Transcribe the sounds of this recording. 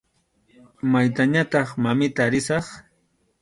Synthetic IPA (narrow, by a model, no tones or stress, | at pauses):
majt̪aɲat̪ɑχmamɪt̪aɾɪsɑχ